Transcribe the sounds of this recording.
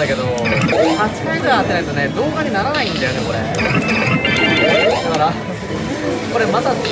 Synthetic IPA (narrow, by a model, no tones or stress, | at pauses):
ake̞d̪ohat͡ɕi̥kaiɡɯ̟ɾaːt̪ːeaɯt̪o̞ned̪o̞ːɡaɲ̟inaɾanaĩnd̪ajo̞ne̞ko̞ɾḛ | kaɾa | ko̞ɾe̞mat̪a